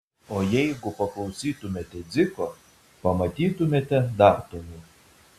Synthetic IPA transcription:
oːjɛɪɡʊpɐklˠɒʊsʲiːt̪ʊmʲeːt̪ʲɛd̪zʲɪko | pɐmɐt̪ʲiːt̪ʊmʲeːt̪ʲɛd̪ɑːˑɾt̪olʊ

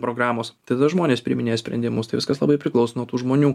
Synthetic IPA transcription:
pɾoːɡɾɑːmoːst̪ɐɪd̪ɐd̪ɐʒmoːnʲeːspʲɾʲɪmʲɪnʲeːjɛsʲpʲɾʲɛ̰nd̪ʲɪmʊst̪ɐɪʋʲɪskɐslˠɐ̰bɐɪpʲɾʲɪklˠɐʊsonuɔt̪uːʒmoːnʲuː

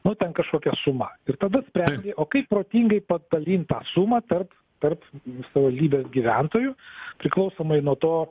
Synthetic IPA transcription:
nʊt̪ʲɛnkɐʃkoːkʲɛsʊmɐɪrt̪ɐd̪ɐsʲpʲɾʲɛnʲɡʲeʔoːkɐɪppːɾoːt̪ʲiːŋɡɐɪpɐd̪ɐlʲiːnt̪ɑːsumɑt̪ɐrp | t̪ɐrpsɐʋʋɐlʲd̪ʲiːbʲeːsɡʲiʋʲænt̪oːjʊpʲɾʲɪklˠɐʊsoːmɐɪnuɔt̪oː

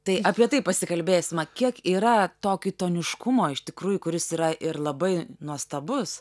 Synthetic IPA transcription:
t̪ɐɪɐpʲiɛt̪ɐɪpɐsʲɪkɐlʲbʲeːsʲɪmɐkʲiɛkiːɾɐt̪oːkʲit̪oːnʲɪʃkʊmoːɪʃt̪ʲɪkɾuːjʊkʊɾʲɪsiːɾɐʔɪrlˠɐbɐɪnuɔst̪ɐbʊs

